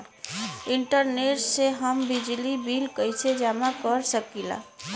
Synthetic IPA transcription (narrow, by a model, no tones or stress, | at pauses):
iɳʈəɾneʈseɦəmbid͡ʒlibilkəjsʰed͡ʒamakəɾsəkila̰